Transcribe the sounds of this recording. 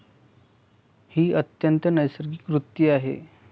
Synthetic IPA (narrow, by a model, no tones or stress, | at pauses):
hiːət̪jənt̪ənəjsəɾɡiːkʋɾut̪ːiaɦḛ